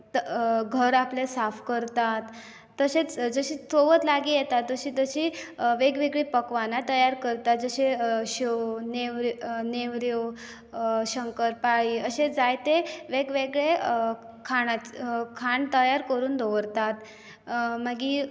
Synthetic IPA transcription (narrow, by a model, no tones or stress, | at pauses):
t̪ɡʱəɾaplesafkəɾt̪at̪ː | əɕet͡sd͡zəɕiːt͡soʋət̪laɡijɛt̪at̪ːəɕiːt̪əɕiːʋeɡʋeɡɭepəkʋanat̪əjaɾkəɾt̪at̪̚d͡zəɕeɕoneʋɾneʋɾjo | ɕəŋkəɾpaɭiːəɕed͡zajt̪eʋeɡʋeɡɭe | kʰaɽ̃akʰaɳt̪əjaɾkəɾuːnd̪ʱoʋəɾt̪at̪ | maɡi